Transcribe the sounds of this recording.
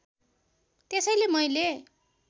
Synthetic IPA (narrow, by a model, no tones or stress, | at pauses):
t̪esʌjlemʌjle